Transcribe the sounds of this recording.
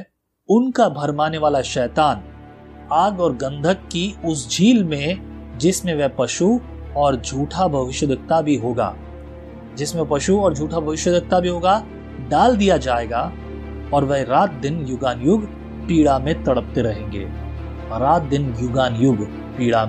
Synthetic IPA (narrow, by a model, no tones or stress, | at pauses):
ʊnkabʱɐɾmaːneʋaːlaʃɛːt̪aːn | aːɡɔːɾɡɐ̃nd̪ʱəkːiʊsd͡ʒʱiːlmẽd͡ʒɪsmẽʋɛpɐʃuɔːɾd͡ʒʱuːʈʰabʱɐʋɪʃjəd̪ʱɪk̚t̪abʱiɦoːɡa̰ː | d͡ʒɪsmẽpɐʃuɔːɾd͡ʒʱuːʈʰabʱɐʋɪʃjəd̪ɪk̚t̪abʱiɦoːɡa | ɖaːld̪ijad͡ʒaːeːɡa | ɔːɾʋɛɦɾaːt̪̚d̪ɪnjʊɡaːnjʊɡ | piːɽamẽt̪ɐɽ̤əp̚t̪eɾɐɦẽːŋɡḛː | ɾaːt̪̚d̪ɪnjʊɡaːnjʊɡʱ | piːɽa